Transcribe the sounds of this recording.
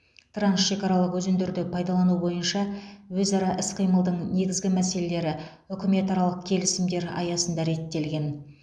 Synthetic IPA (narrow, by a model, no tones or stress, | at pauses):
t̪ʰransʃe̞kʲɑɾɑlˠəqwɵzend̪eɾd̪ɪpʰɑjd̪ɑlˠɑnubo̞jənʃɑwɵzɑɾɑʔɪsqʰijməlˠd̪əɴne̞ɡʲɪzɡʲɪmæse̞le̞le̞ɾɪ | ʏkʲɪme̞t̪ɑɾɑlˠəq̚kʲʰe̞lɪsɪmd̪e̞ɾɑ̰jɑsənd̪ɑɾe̞t̪ːe̞lɡʲe̞n